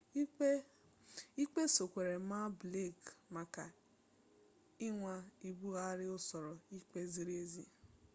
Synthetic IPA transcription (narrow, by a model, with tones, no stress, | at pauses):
i˦k͡pe˦so˨kʷe˨ɾe˨ma˦ble˦˨kma˨ka˨ | ɪ˦ŋʷa˦i˨bu˦ɣa˦ɾɪ˦ʊ˦sɔ˨ɾɔ˨i˦k͡pe˦zi˦ɾe˦zi˦